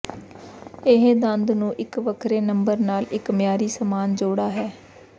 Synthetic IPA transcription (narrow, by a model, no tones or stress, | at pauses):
ɪɦed̪ənd̪nũːʔɪkʋəkʰɾeːnəmbəɾnaːlɪkmɪjaːɾiːsəmaːnd͡ʒoːɽaːɦɛː